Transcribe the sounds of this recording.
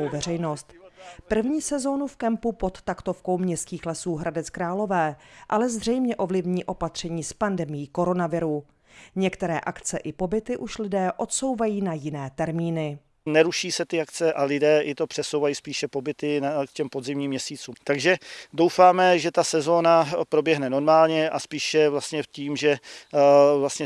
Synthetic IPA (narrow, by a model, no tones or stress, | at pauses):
owvɛr̝ɛjno̞st̪pr̩vɲiːsɛzo̞nufkɛmpupo̞t̪t̪akt̪o̞fko̞wmɲɛst̪kiːxlɛsuːɦɾʔadɛt͡skɾaːlo̞vɛːʔalɛzrɛjmɲɛʔo̞vlɪvɲiːʔo̞pat̪r̝̥ɛɲiːspandɛmɪjiːko̞ɾo̞navɪɾu | ɲɛkt̪ɛɾɛːʔakt͡sɛʔɪpo̞bɪt̪ɪʔuʃlɪdɛːʔo̞t̪so̞wvajiːnajɪnɛːt̪ɛɾmiːnɪ | nɛɾuʃiːsɛt̪ɪakt͡sɛʔalɪdɛːʔɪt̪o̞pr̥ɛsowvajiːspiːʃɛpo̞bɪt̪ɪkcɛmpodzɪmɲiːmːɲɛsiːt͡suːmt̪aɡʒɛdowfaːmɛʒɛt̪asɛzo̞ːnapɾo̞bjɛɦnɛno̞ɾmaːlɲɛʔaspiːʃɛvlast̪ɲɛciːmʒɛ | vlast̪ɲɛ